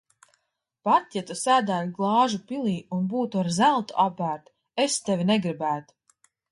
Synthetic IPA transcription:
pat̪jat̪usæːd̪æːlʲɡlˠɑːʒupilˠiːunbuːt̪uaɾzælˠt̪ṵʔapːæːɾt̪ | est̪ɛvʲinɛɡɾibæːt̪u̥

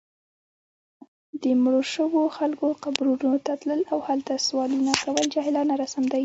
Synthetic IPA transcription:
d̪əmɽoʃəwoxalkoqabɾunot̪at̪ləlawhalt̪aswɑlunakawəld͡ʒɑɦɪlɑnaɾasamd̪aj

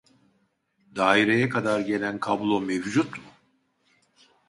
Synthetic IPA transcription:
d̪aːiɾe̞jɛkʰad̪aɾɟe̞lʲænkʰablˠo̞mevd͡ʒut̪mʊ

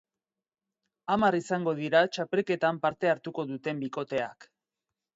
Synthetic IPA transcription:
amarisaŋɡo̞ð̞iɾat͡ʃapelke̞t̪ampaɾt̪e̞aɾt̪uko̞ðut̪e̞mbiko̞t̪e̞a̰k

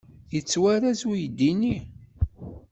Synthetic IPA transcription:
jət͡sːwæɾæzujd̪ːini

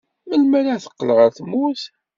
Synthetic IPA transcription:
məlmæɾaθə̥qːələʁəɾθmuθ

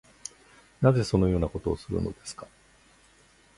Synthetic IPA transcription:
naze̞so̞no̞jo̞ːnako̞t̪o̞ːsɨɾɯ̰no̞̰d̪e̞sɨ̥kḁ

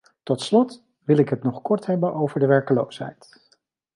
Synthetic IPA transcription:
tɔtslɔt | ʋɪlɪkɦətnɔχkɔɹtɦɛbənʔowvəɹdəʋɛɹkəlowsɦɛ̰jt

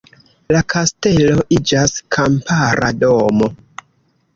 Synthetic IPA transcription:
lakʰaste̞lo̞ʔid͡ʒaskʰampʰaɾa̰do̞mo̞

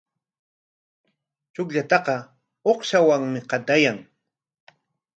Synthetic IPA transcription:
t͡ʃʊkʎat̪ɑqɑ | oχʃawaŋmɪqɑt̪ajaŋ

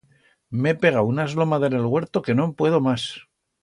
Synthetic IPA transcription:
mepe̞ɣ̞aunaezlo̞maðenelɣwe̞ɾt̪oke̞no̞mpwe̞ðo̞mas

